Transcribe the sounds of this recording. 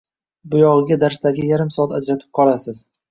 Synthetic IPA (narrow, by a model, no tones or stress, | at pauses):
bʊjɒʁɨɡʲad̪aɾst̪aɡʲɪjaɾɪmsɒat̪ad͡ʒɾat̪ʰɪ̥p̚qʰɒlˠasɪz̥